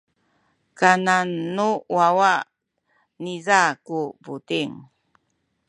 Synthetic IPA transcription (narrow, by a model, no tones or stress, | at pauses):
kananːuwawa | nizakuputiŋ